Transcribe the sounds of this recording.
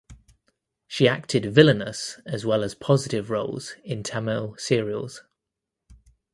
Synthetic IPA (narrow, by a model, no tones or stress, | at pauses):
ʃiak̚tʰɪdvɪlənəsəzwɛləz̥pʰɒzɪtɪvɹʌʊlˠz̥ɪ̃ntʰaməlˠsɪəɹiə̰lˠz̥